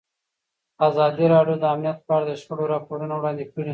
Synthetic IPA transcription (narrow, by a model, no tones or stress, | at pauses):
azɑd̪iɾɑɖjod̪əamnijat̪̚pɑɾad̪əʃxəɽoɾɑpoɾunawɽɑnd̪ekəɽi